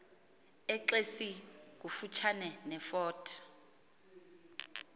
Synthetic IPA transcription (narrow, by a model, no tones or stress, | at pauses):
ɛǁesik̬ufut͡ʃʰanɛnɛfɔːtʰḁ